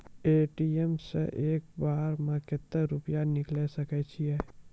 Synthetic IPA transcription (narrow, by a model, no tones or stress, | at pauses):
eːʈiɛmsḛʔeːk̚baːɾmãket̪ːəɾʊpjanɪklesɐkɛt͡ʃʰiɛː